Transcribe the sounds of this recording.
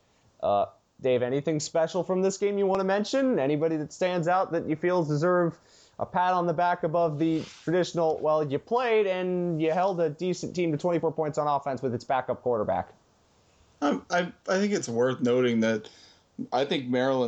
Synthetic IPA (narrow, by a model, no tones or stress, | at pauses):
ʔʌ | d̥eɪvɛɾ̃iθɪ̃ŋspɛʃl̩ˠfɹʌ̃mðɪsɡ̥ẽɪ̃mjɨwɑ̃nəmɛ̃nʃɨ̃nɛɾ̃ibɑɾiðɨtstæ̃ndzaʊt̪̚ðɨt͡ʃɨfilˠzdɨzɜ˞v | ʔə̰pʰæɾn̩ðəbækɨbʌvðɨtʰɹ̥ɨdɪʃn̩l̩ˠwʔɛlˠjɨpʰl̥eɪɾɨ̃njɨɦɛlˠdɨdisɨ̃n̩tĩmtɨtʰw̥ɛ̃ɾ̃ifɔɹpʰɔ̃ɪ̃ntsn̩ɔfɛ̃nswɨðɨtsb̥ækʌp̚kʰw̥ɔɹɾə˞bæ̰k | ãɪaɪaɪθɪ̃ŋkɨtswɜ˞θnoʊɾɪ̃ŋðɨt̚ | aɪθɪ̃ŋk̚mɛɹl̩ˠə̃